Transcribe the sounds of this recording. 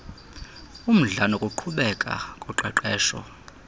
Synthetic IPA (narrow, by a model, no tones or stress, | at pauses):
um̩ɮanɔkʼuǃʰuɓɛkʼa̰kʼuǃɛǃɛːʃɔ̰